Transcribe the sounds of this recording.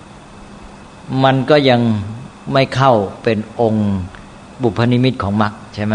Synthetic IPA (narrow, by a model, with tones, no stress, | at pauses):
ma˧nkɔː˥˩ja˧ŋma˥˩jkʰa˥˩wpe˧nʔo˧ŋ | bu˨˩pʰːa˧ni˧˥mi˥˩t̪̚kʰɔː˩˦ŋma˦˥k̚t͡ɕʰa˥˩jma˦˥˩